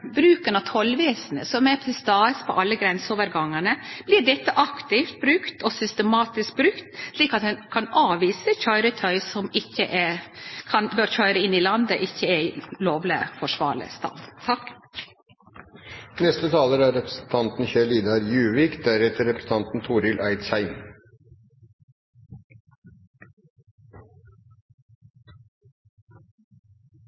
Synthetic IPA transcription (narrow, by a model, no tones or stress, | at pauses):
bɾʉːkənɑt̪ʰɔlːʋeːsənə̰sɔmæpʰɪst̪ɑːəspʰɔ̰ʔɑlːəɡɾɛnsəoːʋəɾɡɑŋːəɳəb̥lɪɖɛt̪ːəʔɑkt̪ɪft̪̚bɾʉkt̪ɔsʏst̪əmɑːt̪ɪsk̚bɾʉkt̪sliːkɑt̪hɛnkʰɑnɑːʋiːsəçœʏɾət̪ʰœʏsɔmɪçːəʔɛkʰɑnbøːɾçœʏɾəɪnːɪlɑnd̪əʔɪçːəɛloːʋlɪəfɔʂʋɑ̰ːɭə̰st̪ɑ̰ːd̪t̪ʰɑk | nɛst̪ət̪ʰɑːləɾæɾɛpɾəsn̩t̪ʰɑnt̪n̩çɛliːd̪ɑɾjʉːʋiːkd̪æɾɛt̪əɾɛpɾə̥sn̩ɑnt̪n̩t̪ʰuːɾɪlʔæɪt̪sæɪn